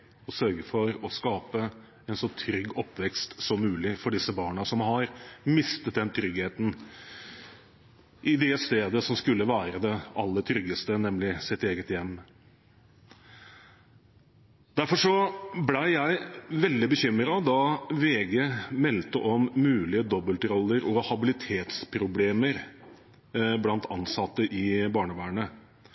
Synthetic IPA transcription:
ɔsœɾɡəfɔɾɔskɑːpə | ɛnsɔt̪ʰɾʏɡːɔpːʋɛkst̪sɔmːʉːlɪfɔɖɪsəbɑːɳəsɔmɦɑɾmɪst̪ət̪̚d̪ɛnt̪ʰɾʏɡheːt̪n̩ | ʔɪd̪ɛst̪eːd̪əsɔmskʉlːəʋæːɾəd̪ɛɑlːət̪ʰɾʏɡːəst̪ənɛmlɪsɪt̪eːɡət̪jɛmː | d̪̥æɾfɔʂɔblæɪjæɪʋɛld̪ɪbəçʏmːɾɑɔd̪ɑʋeːɡɛmɛlt̪əʔɔmːʉːlɪəd̪ɔbəlt̪ɾɔlːəɾɔhɑbɪlɪt̪ʰeːt̪spʰɾʊbleːməɾ | blɑnt̪ʰɑnsɑt̪ːəʔɪbɑːɳəʋæːɳə

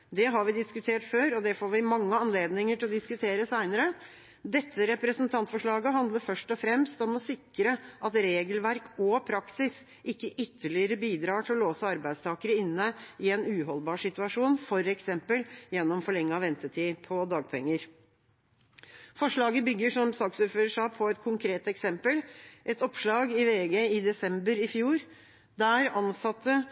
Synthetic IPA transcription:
d̪ɛɦɑɾʋɪd̪ɪskʉt̪ʰeːʈføːɾɔd̪ɛfoːʋɪmɑŋːəɑnleːd̪nɪŋəʈʰɪlɔd̪ɪskʉt̪ʰeːɾəsæɪnəɾə | d̪ɛt̪ʰːəɾɛpɾəsənt̪ʰɑnt̪fɔʂɭɑːɡəɦɑnd̪ləɾfœʂʈɔfɾɛmst̪ɔmɔsɪkːɾəʔɑt̪ɾeːɡəlʋæɾkʰɔpʰɾɑksɪs | ʔɪkːəʔʏt̪ʰːəɭɪəɾəbiːd̪ɾɑːʈʰɪlɔloːsəɑɾbæɪd̪st̪ʰɑːkəɾəɪnːəɪɛnʉːɦɔlbɑːʂɪt̪ʉɑʂuːnfɔɾɛksɛmpəljɛnːɔmfɔɭɛŋːəɑʋɛnt̪ət̪ʰiːpʰɔd̪ɑːɡ̚pʰɛŋːəɾ | fɔʂɭɑːɡəbʏɡːəʂɔmsɑːksuːɾføːɾəʂɑːpʰɔɛt̪kʰʊŋkʰɾeːt̪ɛksɛmpəlʔɛt̪ɔpʂɭɑːɡɪʋeːɡeɪd̪ɛsɛmbəɾɪfjuːɾ | d̪æɾɑnsɑt̪ːə

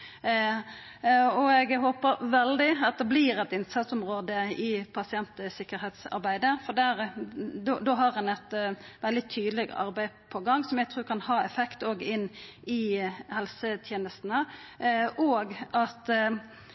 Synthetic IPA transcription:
ɔɛɡɦoːpəɾʋɛld̪ɪɑt̪̚d̪ɛbliːɾɛt̪ɪnsɑt̪sɔmɾoːd̪əɪpʰɑsɪɛnt̪əsɪkːəɾheːt̪sɑ̰ɾbæɪd̪əfɔd̪æːɾd̪d̪oɦɑɾhɑnɛt̪ʋɛld̪ɪt̪ʰyːd̪lɪɡɑ̰ɾbæɪpʰɔɡɑŋːsɔmjæɡt̪ʁʉːkʰɑnhɑːɛfɛkt̪oːɡɪnːɪhɛlsət̪ʰjeːnəst̪n̩ə | ʔoːɡɑt̪

